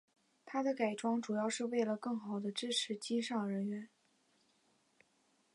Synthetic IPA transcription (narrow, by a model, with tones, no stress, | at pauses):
t̪ʰa˥d̪ə˨ka˨˩ɪʈ͡ʂwɑ˥ŋʈ͡ʂu˨˩jɑ˥˧ʊʂɻ̩˥˧we˥˩ɪlə˩kɤ˥˩ŋxɑ˨˩ʊd̪ə˦ʈ͡ʂɻ̩˥ʈ͡ʂʰɻ̩˧˥t͡ɕi˥ʂɑ˥˩ŋɻə˧˥nɥɛ˧˥n